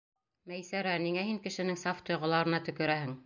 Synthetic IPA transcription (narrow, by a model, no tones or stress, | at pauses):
mæjsæɾæniŋæhiŋkɘ̆ʃɘ̆nɘŋsɑft̪ŏjʁɤ̆lˠɑɾɤ̆nɑt̪ɵ̆kɵ̆ɾæhɘŋ